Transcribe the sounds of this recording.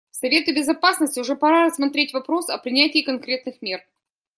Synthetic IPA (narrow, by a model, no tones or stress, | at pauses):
sɐvʲe̞t̪ɨbʲɪzɐpasnəsʲtʲɪʊʐɛpɐɾaɾəsːmɐt̪ɾʲetʲvɐpɾo̞sɐpɾʲɪnʲætʲɪːkɐnkɾʲe̞t̪nɨxmʲer